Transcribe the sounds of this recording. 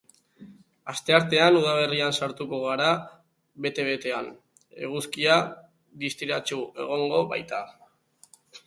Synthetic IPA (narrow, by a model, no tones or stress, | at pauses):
ast̪e̞aɾt̪e̞anuð̞aβe̞riansaɾt̪uko̞ɣ̞aɾa | βe̞t̪e̞βe̞t̪e̞an | e̞̰ɣ̞uskia | ðist̪iɾat͡ʃue̞̰ɣ̞o̞ŋɡo̞βa̰jt̪a